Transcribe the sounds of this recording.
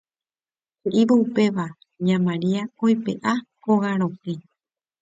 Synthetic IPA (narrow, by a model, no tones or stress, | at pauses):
keʔiʋoupe̞ʋa | ɲãmãɾiaojpḛʔakoɣaɾ̃õhẽ